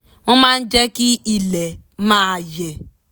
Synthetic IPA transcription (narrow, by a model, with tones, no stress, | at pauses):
ʊ˦ma˦n̩˦d͡ʒe˦ki˦i˨le˨˦ma˦˨je˨